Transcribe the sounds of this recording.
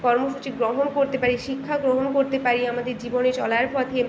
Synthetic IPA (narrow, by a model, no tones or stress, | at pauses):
kɔɾmoʃut͡ɕiɡɾoɦonkoɾt̪epaɾiʃikʰːaɡɾoɦonkoɾt̪epaɾiamad̪eɾd͡ʑibonet͡ɕɔ̰laɾpɔt̪ʰe